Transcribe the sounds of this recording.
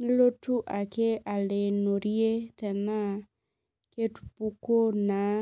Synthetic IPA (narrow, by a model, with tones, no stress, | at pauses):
n˦lo˦tu˦ʔa˨ke˦ʔa˨le˨no˨ɾje˦tɛ˨na˦ | ke˦tu̥pu˦ko˦na˨˦